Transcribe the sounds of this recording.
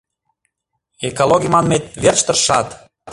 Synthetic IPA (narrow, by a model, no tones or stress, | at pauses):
ekolˠoɣʲimɑnmet̪̚βerʃt̪ə̆rʃɑt̪